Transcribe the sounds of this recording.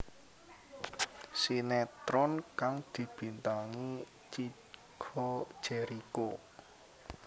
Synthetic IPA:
sinɛt̪ɾɔnkaŋd̪̥i̤b̥i̤nt̪aŋi | t͡ʃi | ɡ̥ʰɔ̥ʒ̥ɛɾiko

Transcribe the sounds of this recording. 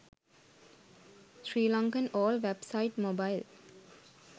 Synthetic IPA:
ʃɾiːlɔ̃ŋkə̃nɔːlʋebsaɪʈmobaɪl

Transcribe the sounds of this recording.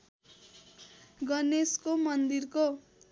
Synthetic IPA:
ɡʌneskomʌnd̪irko

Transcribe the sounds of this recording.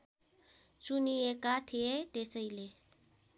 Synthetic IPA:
t͡ʃuniekat̪ʰeet̪esəjle

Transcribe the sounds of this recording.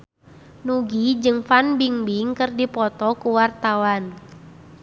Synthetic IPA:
nuɡid͡ʒɨŋfanbiŋbiŋkɨrdipɔt̪ɔkuwart̪awan

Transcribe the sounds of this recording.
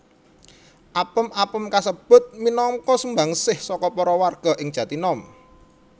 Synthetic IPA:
ʔapəmapəmkasəb̥ʊ̤t̪̚minɔŋkɔsumbaŋsɪhsɔkɔpɔɾɔwarɡ̥ɔ̤ʔɪŋ̥ʒ̥ä̤t̪inɔm

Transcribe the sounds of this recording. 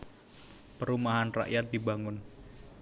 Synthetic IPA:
pəɾumaɦanra̰ʔjat̪̚d̪ibaŋʊn

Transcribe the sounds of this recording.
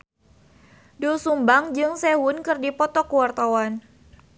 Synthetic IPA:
dosumbaŋd͡ʒɨŋsɛwʊnkɨrdipɔt̪ɔkuwart̪awan

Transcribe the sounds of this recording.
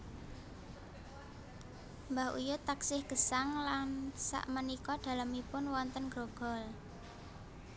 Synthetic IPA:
mbahṵjʊt̪aksɪhɡ̥əsaŋlansa̰ʔmənikɔd̪̥ä̤ləmipʊnwɔnt̪ənɡ̥ɾoɡ̥ɔ̤l

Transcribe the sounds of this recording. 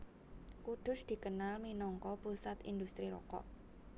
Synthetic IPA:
kud̪̥ʊ̤sd̪̥i̤kənalminɔŋkɔpusat̪ḭnd̪ust̪ɾilɔ̰kɔ̰ʔ

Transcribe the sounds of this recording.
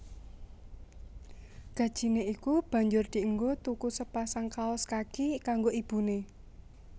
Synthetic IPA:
ɡ̥ä̤d̥ʒ̥i̤neikub̥ä̤ɲd͡ʒʊrd̪̥i̤əŋɡot̪ukusəpasaŋkaɔskakikaŋɡoib̥ṳne

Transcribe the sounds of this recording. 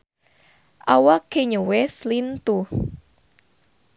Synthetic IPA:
ʔawakeɲəweslint̪u

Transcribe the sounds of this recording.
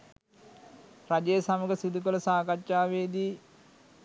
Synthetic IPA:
rad͡ʒejəsaməɡəsid̪ukoləsaːkat͡ʃːaːʋeːd̪iː

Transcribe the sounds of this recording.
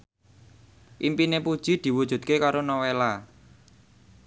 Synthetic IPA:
ʔimpinepud̥ʒ̥i̤d̪̥i̤wud̥ʒ̥ṳt̪̚kekaɾonɔwela

